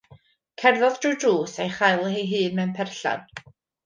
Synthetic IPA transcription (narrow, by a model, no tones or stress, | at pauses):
kʰɛrðɔðd̥rɨduːsejχajlˠɦeɦɨːnmɛwnpʰɛrɬa̰d̥